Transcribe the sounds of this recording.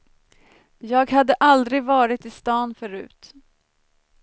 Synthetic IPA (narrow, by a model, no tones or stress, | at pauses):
jɑːɡɦad̪ːəʔald̪ɾɪɡvɑːɾɪt̪ɪst̪ɑːnfœɾʉ̟̰ːt̪